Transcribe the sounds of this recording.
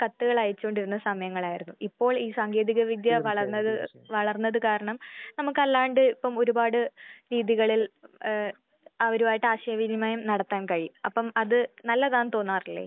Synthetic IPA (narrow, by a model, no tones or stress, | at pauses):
kɐt̪ːuɣɐɭɐjɐt͡ɕːuoɳɖiɾunːɐsɐmɐjɐŋːɐɭaːjiɾunːuipːo̞ːɭiːsaːŋɡe̞ːðiɣɐʋid̪jɐʋɐɭɐrnːɐðɨ | ʋɐɭɐrnːɐðɨkaːɾɐɳɐmnɐmukːɐlːaːɳɖɨipːɐmo̞ɾubaːɽɨɾiːðiɣɐɭil | ɐʋɐɾumaːjiʈːɨaːɕɐjɐʋid̪imaːjumnɐɽɐt̪ːaːnkɐɻiɐpːɐmɐðɨnɐlːɐðaːnt̪o̞ːnːaːrilːḛː